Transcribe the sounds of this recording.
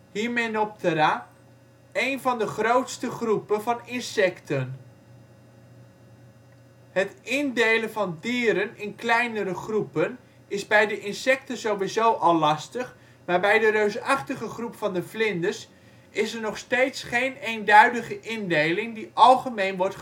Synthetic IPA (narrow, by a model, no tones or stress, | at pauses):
ɦiːɹmenop̚tʰəɾaː | ejnvɑndəχrowtstəχrupənvɑnɪnsɛktən | ɦətɪndejlənvɑndiːɾənɪnklɛjnəɾəχrupən | ɪzbɛjdəʔɪnsɛk̚təzowʋizowʔɑlːɑstəχ | maːɹbɛjdəɾøɥsɑχtəχəχrupfɑndəvlɪndəɹs | ɪsəɹnɔχstejtsχejnejndœɥdəχəʔɪndejlɪŋdiʔɑlˠχəmejnʋɔɹtχ